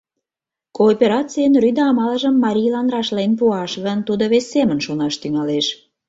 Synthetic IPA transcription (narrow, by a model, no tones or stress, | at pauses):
koːpʲeɾɑt͡sijənryd̪ɑːmɑlə̆ʒəmːɑɾʲijlɑnrɑʃlenpuɑʃɣənt̪ud̪oβesːemənʃonɑʃt̪yŋɑleʃ